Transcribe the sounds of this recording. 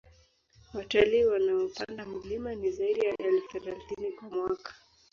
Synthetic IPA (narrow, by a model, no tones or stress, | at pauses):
wataliːwanaɔpandam̩limanizaiɗijaʔɛlfu̥θɛlaθinikwamwakḁ